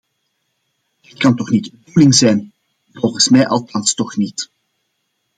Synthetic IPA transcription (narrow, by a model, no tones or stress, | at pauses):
dətkɑntɔχnitdulɪŋzɛjn | vɔlχənsmɛjʔɑlˠtɑnstɔχnit